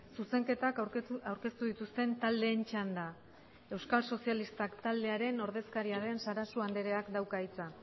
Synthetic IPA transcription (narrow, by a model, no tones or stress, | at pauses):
suse̞ŋke̞t̪akawɾke̞st̪uðit̪ust̪e̞nt̪ald̪e̞ːnt͡ʃand̪a | e̞wskalso̞sialist̪akt̪ald̪e̞aɾe̞no̞ɾð̞e̞skaɾiaɾe̞nsaɾasuand̪eɾe̞akd̪awkait͡sa